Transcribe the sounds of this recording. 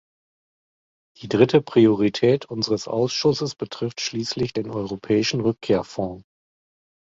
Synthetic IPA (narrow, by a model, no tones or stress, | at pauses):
d̥iːdʁɪtəpʁ̥ioʁitʰɛːtʰʔʊnzəʁəsʔa̰ʊsʃʊsəsb̥ətʁ̥ɪftʃliːslɪçd̥eːnʔɔʏʁopʰɛːɪʃn̩ʁʏkʰːeːɐfɔ̃ː